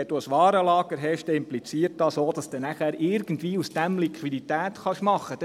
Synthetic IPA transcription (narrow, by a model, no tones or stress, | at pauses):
ɛd̥uəsʋɑːɾəlɑːɡ̥əɾɦɛʃtɛɪmplit͡siːəɾt̚dɑːsoːd̥̪ɑsd̥̪enæχæːɾʔɪɾɡ̥ən̩tʋiːusd̥æmlikʰʋidit̪æːt̪χɑʃmɑχəd